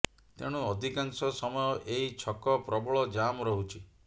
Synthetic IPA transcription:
t̪eɽ̃uɔd̪ʱikaŋsɔsɔmɔjɔʔeɦit͡ʃʰɔkɔpɾɔbɔɭɔd͡ʒamɾɔɦut͡ʃʰi

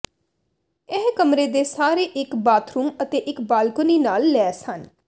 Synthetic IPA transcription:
ɪɦkəmɾeːd̪eːsaːɾeːʔɪkbaːt̪ʰɾuːmət̪eːʔɪkbaːlkʊniːnaːlːɛːsən

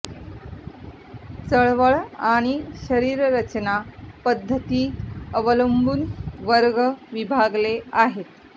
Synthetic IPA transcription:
t͡səɭʋəɭaɽ̃iɕəɾiːɾɾət͡ɕnapəd̪ʱːət̪iːəʋələmbʱuːnʋəɾɡəʋibʱaɡleaɦet̪

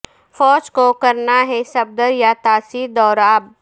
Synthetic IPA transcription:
fɔːd͡ʒkokɐɾnaɦɛsɐb̚d̪əɾjat̪aːsid̪ɔːɾaːb

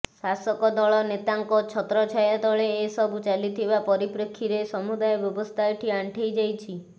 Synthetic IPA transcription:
sasɔkɔd̪ɔɭɔnet̪aŋkɔt͡ʃʰɔt̪ɾɔt͡ʃʰajad̪ɔɭeːsɔbut͡ʃalit̪ʰibapɔɾipɾekʰːiɾesɔmud̪ajɔbjɔbɔst̪ʰajʈʰiaɳʈʰejd͡ʒajt͡ʃʰi

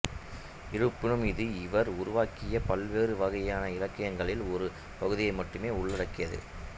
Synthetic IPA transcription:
ɪɾɯpːɪɳɯmɪðɯɪʋɐɾʊɾʊʋaːkɪjɐpɐlʋeːrɯʋɐɣɐjaːnɐɪlɐkːɐjɐŋɡɐɭɪlɔɾɯ | pɐɣɯðɪjɐɪmɐʈːɯmeːʊɭːɐɽɐkːɪjɐðɯ̰

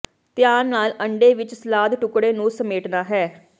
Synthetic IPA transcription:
t̪ɪjaːnːaːlʔəɳɖeːʋɪt͡ʃsəlaːd̪ʈʊkɽeːnũːsəmeːʈnaːɦɛː

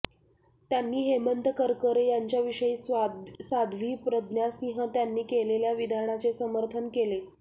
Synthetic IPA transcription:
t̪janːiːɦemənt̪əkəɾkəɾejaɲt͡ɕjaʋiʂəiːsad̪ʱʋiːpɾəd̪njasĩɦə̃t̪janːiːkeleljaʋid̪ʱaɳat͡sesəməɾt̪ʰənkele

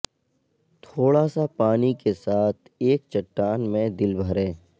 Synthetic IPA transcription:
t̪ʰoːɽaːsapaːnikesaːt̪ʰeːkt͡ʃɐʈːaːnmẽd̪ɪlbʱəɾẽː

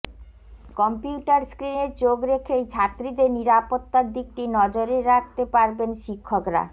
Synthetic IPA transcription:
kɔmpiuʈaɾskɾineɾt͡ɕoɡɾekʰet͡ɕʰat̪ːɾid̪eniɾapot̪ːaɾd̪ik̚ʈinɔd͡ʑoɾeɾak̚ʰt̪epaɾbenʃikʰːokɾa̰

